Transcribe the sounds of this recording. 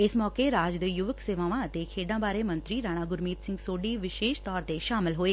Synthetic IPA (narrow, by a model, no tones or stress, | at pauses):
eːsmɔːkeɾaːd͡ʒd̪əjuʋəkseːʋaːʋãt̪ekʰeːɖãbʱaːɾemə̃nt̪ɾiɾaːɽ̃aɡʊɾmiːt̪sɪ̃ŋɡsoːɖiʋɪʃeːʃt̪ɔːɾt̪eʃaːməlɦoeː